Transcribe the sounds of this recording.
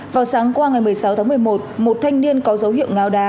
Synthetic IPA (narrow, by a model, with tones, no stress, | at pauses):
vaː˨˩wsaː˨˦ŋkwaː˧ŋa˨˩jmɨ˨˩əjsa˨˦wt̪aː˨˦m˨˩əjmo˨˩t̚mo˨˩t̚t̪ʰa˧jŋ̟ni˧ənkɔ˨˦zə˨˦whḭ˧˨əwŋaː˧˩wɗaː˧˩